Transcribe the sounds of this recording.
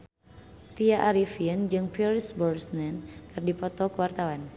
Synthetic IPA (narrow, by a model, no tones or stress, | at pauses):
t̪iaʔaɾifiənd͡ʒɨŋpilsbɔrsnɛnkɨrdipɔt̪ɔkəwart̪awan